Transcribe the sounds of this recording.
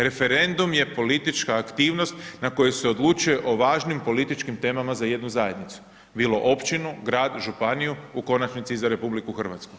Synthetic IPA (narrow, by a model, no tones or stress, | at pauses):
ɾe̞fe̞ɾe̞nd̪umje̞po̞lit̪it͡ʃkaːkt̪iːʋno̞st̪nako̞jese̞o̞d̪lˠut͡ʃuje̞ʔo̞ʋaːʒnimpo̞lit̪it͡ʃkimt̪e̞ːmamazaje̞d̪nuzaje̞d̪nit̪su̥ | biːlˠo̞ʔo̞pt͡ʃinuɡɾaːd̪ʒupanijuuko̞nat͡ʃnit̪sizaɾe̞publikuxr̩ʋat̪sku̥